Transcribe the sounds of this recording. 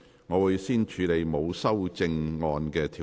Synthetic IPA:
ŋɔː˨˧wu˨jsiː˥nt͡ʃʰyː˨˧le˨˧jmo˨˧wsɐ˥wt͡sɪ˧ŋŋɔː˨˧nkɛː˧t̪ʰiː˨

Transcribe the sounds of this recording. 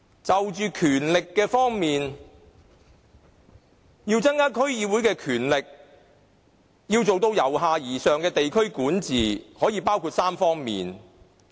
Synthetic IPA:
t͡sɐ˨wt͡ʃyː˨˧kʰyː˨˩nlɪ˨kːɛː˧fɔː˥ŋmiː˨n | jiː˧wt͡sɐ˥ŋkaː˥kʰɵ˥ɥjiː˨˧wuː˨˥jkɛː˧kʰyː˨˩nlɪ˨k̚ | jiː˧wt͡so˨wt̪o˧wjɐ˨˩wɦaː˨˧jiː˨˩sœː˨ŋkɛː˧t̪e˨jkʰɵ˥ɥkuː˨˥nt͡siː˨˩hɔː˨˥jiː˧paː˥wkʰuː˧t̚saː˥mfɔː˥ŋmḭː˨n

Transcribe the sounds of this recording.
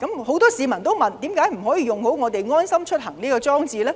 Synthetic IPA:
kɐ˨˥mho˨˥wt̪ɔː˥siː˨˧mɐ˨˩nt̪o˥wmɐ˨nt̪iː˨˥mkaː˨˥jm̩˨˩ɦɔː˨˥jiː˧jʊ˨ŋho˨˥wŋɔː˨˧t̪e˨jŋɔː˥nsɐ˥mt͡ʃʰɵ˥t̚hɐ˨˩ŋliː˥kɔː˧t͡sɔː˥ŋt͡siː˧lɛː˥

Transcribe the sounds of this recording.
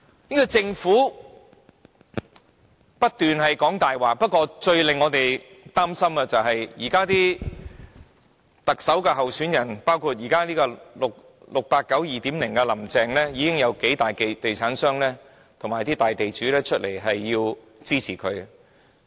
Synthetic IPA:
niː˥kɔ˧t͡sɪ˧ŋfuː˨˥ | pɐ˥t̚t̪yː˨nhɐ˨jkɔː˨˥ŋt̪aː˨jwaː˨k̚pɐ˥t̚kʷɔː˧t͡ʃɵ˧ɥlɪ˨˩ŋːɔː˨˧t̪e˨j | t̪aː˥msɐ˥mɐ˧t͡sɐ˨wɦɐ˨jjiː˨˩kaː˥t̪iː˥ | t̪ɐ˨k̚sɐ˨˥wkɛː˧ɦɐ˨wsyː˨˥njɐ˨˩npaː˥wkʰuː˧t̚jiː˨˩kaː˥liː˥kɔː˧lʊ˨k̚ | lʊ˨k̚paː˧t̚kɐ˨˥wjiː˨˩t̪iː˨˥mlɪ˨˩ŋkɛ˧lɐ˨˩mt͡sɛː˨ŋlɛː˥jiː˨˧kɪ˥ŋjɐ˨˧wke˨˥jt̪aː˨jke˧jt̪e˨jt͡sʰaː˨˥nsœː˥ŋlɛː˥ | t̪ʰʊ˨˩ŋmaː˨˩jt̪iː˥t̪aː˨˩jt̪e˨jt͡ʃyː˨˥lɛː˥t͡ʃʰɵ˥t̚lḛ˨˩jɦɐ˨jːiː˧w | t͡siː˥t͡sʰiː˨˩kʰɵ˨˧ɥ

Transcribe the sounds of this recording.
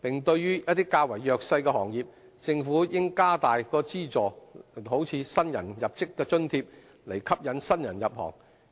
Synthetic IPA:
pɪ˨ŋt̪ɵ˧ɥɥyː˥jɐ˥t̪iː˥kaː˧wɐ˨˩jːœː˨˧k̚sɐ˧jkɛ˧hɔː˨˩ŋjiː˨p̚ | t͡sɪ˧ŋfuː˨˥jɪ˥ŋkaː˥t̪aː˨jkɔː˧t͡siː˥t͡sɔː˨ho˨˥wt͡sʰiː˨˧sɐ˥njɐ̰˨˩njɐ˨p̚t͡sɪ˥kːɛː˧t͡ʃɵ˥nt̪ʰiː˧p̚ | le˨˩jkʰɐ˥p̚jɐ˨˧˥nsɐ˥njɐ̰˨˩njɐ˨p̚hɔ̰ː˨˩ŋ

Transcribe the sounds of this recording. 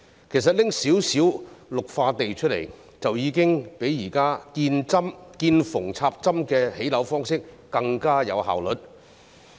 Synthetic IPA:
kʰe˨˩jsɐ˨t̚lɪ˥ŋsiː˨˥wsiː˨˥wlʊ˨k̚faː˧t̪e˨jt͡ʃʰɵ˥t̚lḛ˨˩j | t͡sɐ˨wjiː˨˧kɪ˥ŋpe˨˥jːiː˨˩kaː˥kiː˧nt͡sɐ˥mkiː˧nfʊ˨˩ŋt͡sʰaː˧p̚t͡sɐ˥mkɛː˧he˨˥jlɐ˨˥wfɔː˥ŋsɪ˥k̚ːɐ˧ŋkaː˥jɐ̰˨˧wɦa̰ː˨wlɵ˨˥t̚

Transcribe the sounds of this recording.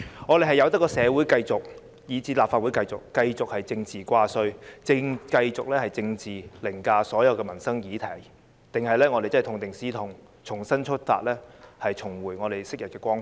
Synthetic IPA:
ŋɔ˨˧ɾe˨jɦɐ˨˩jɐ˨˧wt̪̬ɐ˥tkːɔː˧sɛː˨˧wuː˨˥jkɐ˧jt͡sʊ˨k̚ | jiː˨˧t͡siː˧˥laː˨p̚faː˧t̚wu˨˥jkɐ˧jt͡sʊ˨kːɐ˧jt͡sʊ˨k̚hɐ˨jt͡sɪ˧ŋt͡siː˨kʷaː˧sɵ˧ɥt͡sɪ˧ŋkɐ˧jt͡sʊ˨k̚lɛː˥hɐ˨˩jt͡sɪ˧ŋt͡siː˨lɪ˨˩ŋkaː˧sɔː˨˥jɐ˨˧wkɛː˧mɐ˨˩nsɐ˥ŋjiː˨˧t̪ʰɐ˨˩j | t̪ɪ˨ŋɦɐ˨jlɛː˥ŋɔː˨˧e˨jt͡sɐ˥˨˩t̪ʰʊ˧ŋt̪ɪ˨ŋsiː˥t̪ʰʊ˨˩ŋ | t͡sʰʊ˨˩ŋsɐ˥nt͡ʃʰɵ˥t̚fa̰ː˧t̚lɛː˥hɐ˨jt͡sʰʊ˨˩ŋwuː˨˩jŋɔː˨˧ɾe˨jsɪ˥k̚jɐ˨t̚kɛː˧kʷɔː˥ŋ

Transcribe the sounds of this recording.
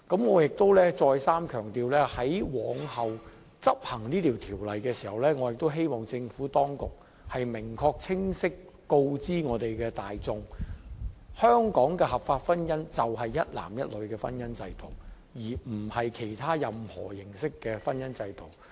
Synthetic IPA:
kɐ˨˥mŋɔː˨˧jɪ˨k̚t̪o˥wlɛː˥t͡sɔː˧jsaː˥mkʰœː˨˩ŋt̪iː˨˧wlɛː˥hɐ˨˥jwɔː˨˥ŋhɐ˨w | t͡sɐ˥p̚hɐ˨˩ŋniː˥t̪ʰiː˨˩wt̪ʰiː˨˩wlɐ˨jkɛː˧si̥ː˨˩hɐ˨˩wlɛː˥ŋɔː˨˧jɪ˨k̚t̪o˥wɦe˥jmɔː˨˩ŋt͡sɪ˧ŋfuː˨˥t̪ɔː˥ŋkʊ˨k̚ | hɐ˨jmɪ˨˩ŋkʰɔː˧k̚t͡sʰɪ˥ŋsɪ˥kː | o˧wt͡siː˥ŋɔː˨˧t̪e˨jkɛː˧t̪aː˨jt͡sʊ˨˧ŋ | hœː˥ŋkɔː˨˥ŋkɛː˧hɐ˨˩pfaː˧t̚fɐ˥njɐ˥nt͡sɐ˨wɦɐ˨jːɐ˥t̚la̰ː˨˩mjɐ˥t̚lɵ˨˧ɥkɛː˧fɐ˥njɐ˥nt͡sɐ˧jt̪o˨˩w | jiː˨˩m̩˨˩hɐ˨jkʰe˨˩jt̪ʰaː˥jɐ˨mhɔ̰ː˨˩jɪ˨˩ŋsɪ˥kːɛː˧fɐ˥njɐ˥nt͡sɐ˧jt̪o˨w

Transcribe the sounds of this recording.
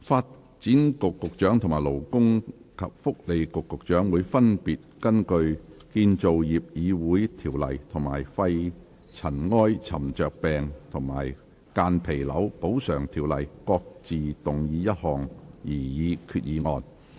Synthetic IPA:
faː˧t̚ | t͡siː˨˥nkʊ˨kːʊ˨k̚t͡ʃœː˨˥ŋt̪ʰʊ˨˩maː˨˩jlo˨˩wkʊ˥ŋkʰɐ̰˨p̚fʊ˥k̚le˨˧jkʊ˨kːʊ˨k̚t͡ʃœː˨˥ŋwuː˨˧jfɐ˥npiː˨t̚kɐ˥nkɵ˧ɥkiː˧nt͡so˨wjiː˨p̚jiː˨˧wuː˨˥jt̪ʰiː˨˩wlɐ̰˨˩jt̪ʰʊ˨˩ŋma̰ː˨˩jfɐ˧j | t͡sʰɐ˨˩nŋɔː˥jt͡sʰɐ˨˩mt͡ʃœː˨k̚pɛː˨ŋt̪ʰʊ˨˩ŋma̰ː˨˩j | kaː˧npʰe˨˩jlɐ˨˥wpo˨˥wsœː˨˩ŋt̪ʰiː˨˩wlɐ˨˩jkɔː˧k̚t͡siː˨t̪ʊ˨˩ŋjiː˨˧jɐ˥t̚hɔː˨˩ŋjiː˨˩jiː˨˧kʰyː˧t̚jiː˨˧ŋɔː˧n

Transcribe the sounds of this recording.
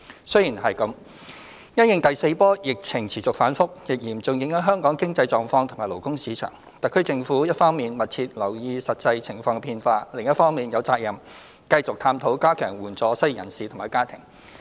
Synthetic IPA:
sɵ˥ɥjiː˨˩nɦɐ˨jkɐ˨˧˦m | jɐ˥njɪ˨˧ŋt̪ɐ˨jse˧jpɔː˥jɪ˨k̚t͡sʰɪ˨˩ŋt͡sʰiː˨˩t͡sʊ˨k̚faː˨˥nfʊ˥k̚jɪ˨k̚jiː˨˩mt͡sʊ˨ŋjɪ˨˥ŋhɐ˨˥ɦœː˥ŋkɔː˨˥ŋkɪ˥ŋt͡sɐ˧jt͡sɔː˨˩ŋfɔː˧ŋt̪ʰʊ˨˩maː˨˩lo˨˩wkʊ˥ŋsiː˨˧˥t͡ʃʰœ̰ː˨˩ŋ | t̪ɐ˨kʰɵ˥ɥt͡sɪ˧ŋfuː˨˥jɐ˥t̚fɔː˥ŋmiː˨nmɐ˨t̚t͡sʰiː˧t̚lɐ˨˩wjiː˧sɐ˨t̚t͡sɐ˧jt͡sʰɪ˨˩ŋfɔː˧ŋkpʰiː˧nfaː˧lɪ˨ŋjɐ˥t̚fɔː˥ŋmiː˨njɐ˨˧wt͡saː˧k̚jɐ˨˩m | kɐ˧jt͡sʊ˨k̚t̪ʰaː˧mt̪ʰo˨˥wkaː˥kʰœː˨˩ŋwuː˨˩nt͡sɔː˨˧sɐ˥jjɐ̰˨˩nsiː˨t̪ʰmaː˨˩jkaː˥t̪ʰɪ̰˨˩ŋ

